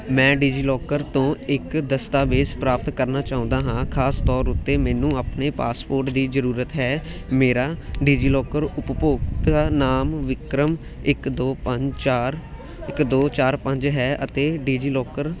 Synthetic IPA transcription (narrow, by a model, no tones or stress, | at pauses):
mɛ̃ːɖiːd͡ʒiːlɔːkəɾt̪õːɪkd̪əst̪aːʋeːd͡ʒpɾaːp̚t̪kəɾnaːt͡ʃaːʊ̃nd̪aːɦãːkʰaːst̪ɔːɾʊt̪ːeːmɛːnũːaːpneːpaːspoːɾʈd̪iːzəɾuːɾət̪ɦɛː | meːɾaːɖiːd͡ʒiːlɔːkəɾʊppoːɡt̪aːnaːmʋɪkɾəm | ɪkd̪oːpəaːɾ | ɪkd̪oːt͡ʃaːɾpəɲd͡ʒɦɛːʔət̪eːɖiːd͡ʒiːlɔːkəɾ